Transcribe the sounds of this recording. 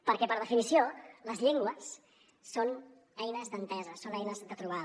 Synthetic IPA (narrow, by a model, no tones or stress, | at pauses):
pəɾkɛpəɾð̞əfinisioləzʎeŋɡwəsː | on | ɛjnəzd̪ənt̪ɛzəsonɛjnəzðət̪ɾuβ̞að